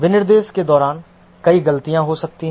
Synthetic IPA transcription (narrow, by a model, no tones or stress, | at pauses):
ʋɪnɪɾd̪eːsked̪ɔːɾaːn | kɐiɡɐlt̪ijãɦosɐk̚t̪ĩ